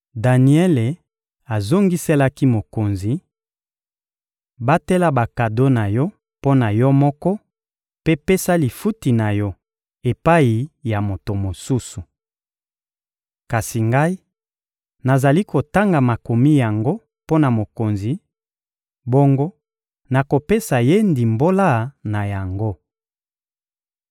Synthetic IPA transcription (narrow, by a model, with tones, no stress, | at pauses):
da˨ni˨ɛ˦le˨ | a˨zo˦ŋɡi˦se˦la˦ki˦mo˨ko˨nzi˨ | ba˦tɛ˦la˦ba˨ka˨do˦na˨jɔ˦ | po˦na˨jɔ˦mɔ˦kɔ˦ | pe˦pe˦sa˦li˨fu˦ti˨na˨jɔ˦ | e˨pa˦i˨ja˨mo˨to˨mo˨su˦su˨ | ka˨si˨ŋɡa˦i˦ | na˨za˨li˦ko˨ta˦ŋɡa˨ma˨ko˨mi˦ja˨ŋɡo˦ | po˦na˨mo˨ko˨nzi˨ | bo˦ŋɡo˦ | na˨ko˨pe˦sa˨je˦ndi˨mbo˦la˦na˨ja˨ŋɡo˦